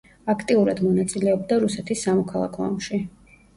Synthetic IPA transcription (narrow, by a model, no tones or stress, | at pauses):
akʰt̪ʼiuɾad̪mɔnat̪sʼilɛɔbd̪aɾusɛt̪ʰisːamɔkʰalˠa̰kʰɔɔ̰mʃi